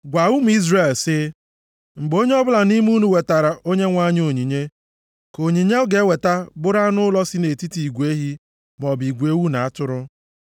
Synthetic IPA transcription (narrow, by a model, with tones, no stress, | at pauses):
ɡʷa˨u˦m̩˨˦i˦zre˨lsɪ˦ | ŋ͡m̩˨ɡ͡bo˦ɲe˦ɔ˦bʊ˦la˨ni˦m˦u˦nu˨we˨ta˨ɾa˨ʔo˦ɲe˦ŋʷa˦ɲ˦o˨ɲi˨ɲe˦ | ko˨ɲi˨ɲe˦ɔ˦ɡe˨˦we˨ta˦bʊ˦ɾa˦nʊ˦lɔ˦si˦ne˨ti˦ti˨i˨ɡʷe˦ɦi˦ | m˨ɔ˨bi˨ɡʷe˦wu˦na˨a˦tʊ˦ɾʊ˦